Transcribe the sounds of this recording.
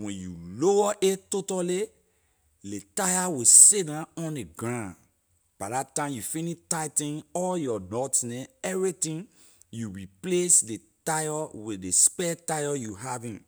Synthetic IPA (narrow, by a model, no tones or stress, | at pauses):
wɛ̃njṵloaʔetotale | letajawesidãɔ̃ndeɡɹãn | b̥adatãɪ̃mjufinitajtĩnɔljɔnɔtnɛ̃ɛvɹitĩn | juɹiplesdetajɔwidespɛtajɔjuɦavĩn